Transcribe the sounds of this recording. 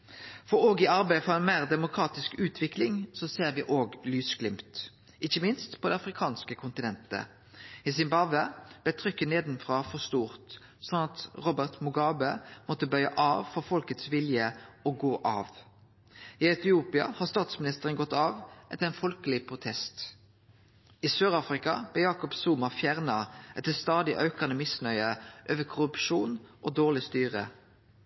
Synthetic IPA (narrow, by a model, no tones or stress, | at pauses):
fɔʁoːɡɪɑʁbæɪəfɔʁɛɪnmæːʁd̪ɛmʊkʰʁɑːt̪ɪskʉːt̪ʰʋɪklɪŋsɔseːʁʋɪːʔoːɡlyːsklɪmt̪ | ʔɪçəmɪnst̪pʰɔd̪ɛɑfʁɪkʰɑːnskəkʰʊnt̪ɪnɛnt̪ə̰ | ɪsɪmbɑʋəb̥lɛt̪ʰʁʏkːəneːd̪n̩fʁɑːfɔʁst̪uːʁt̪ | sɔnɑt̪ʁɔbəʁt̪mʊɡɑːbəmɔt̪ːəbœʏɑ̰ʔɑːʋfɔʁfɔlkət̪sʋɪljəoːɡoːʔɑ̰ːʋ | iːɑʉt̪ɪuːpɪɑ̰hɑːʁst̪ɑːt̪smɪnɪst̪əʁənɡɔt̪ːɑːʋʔɛt̪əɛnfɔlkəlɪpʰʁʊt̪ʰɛst̪ | isøːʁɑːfʁɪkɑ̰b̥leːjɑːkɔpsuːmɑfjæʁnɑʔɛt̪ːəst̪ɑːd̪ɪʔɑʉkɑnəmɪsnœʏəʔøːʋəkʰʊʁʉpʃuːnʔoːd̪oːʁlɪst̪yːʁə̰